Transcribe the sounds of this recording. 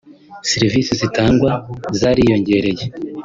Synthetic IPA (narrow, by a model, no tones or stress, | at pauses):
seɾivisizitaːŋɡwazaːɾijo̞ɲɟe̞ɾe̞je